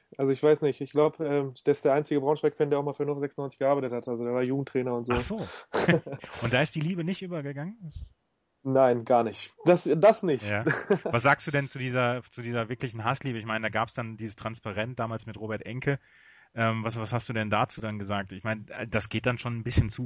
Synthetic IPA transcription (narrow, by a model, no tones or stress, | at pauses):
ʔalzoɪçv̥aɪsnɪçtɪçɡ̥laʊbəʔɛːmd̥eːɐɪsd̥eɐʔaɪnt͡sɪɡəbʁaʊnʃv̥ɛkfɛːndeɐaʊxmaːlfyːɐnɔfzɛksnɔʏnt͡sɪçɡ̥əʔaːɐbaɪtəthatʔalzodeːɐvaːɐjuːɡŋ̩tʰʁ̥ɛːnɐʊntz̥oaːz̥oː | ʔʊntd̥aːɪstd̥iːliːbənɪçtʔyːbɐɡəɡaŋən | naɪnɡaːɐnɪçtd̥asdasnɪçtjaːvasz̥aːkstd̥uːdɛnt͡sudiːzɐt͡sudiːzɐvɪɐklɪçn̩ɦasliːbəɪçmaɪnədaːɡaːpsd̥andiːzəstʁ̥anspaʁɛnt̚d̥aːmaːlsmɪtʁoːbɛɐtʔɛŋkə | ʔɛːmvasvashastd̥uːdɛndaːt͡suːdanɡəzaːk̚tʔɪçmaɪnəd̥asɡ̥eːt̚d̥anʃoːnnbɪsçənt͡suː